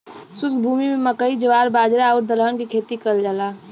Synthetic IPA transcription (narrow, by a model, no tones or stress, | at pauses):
sʊskbʱuːmimẽməkəid͡ʒəʋaːɾbaːd͡ʒɾaaʊɾd̪ələnkikʰeːt̪ikəld͡ʒalaː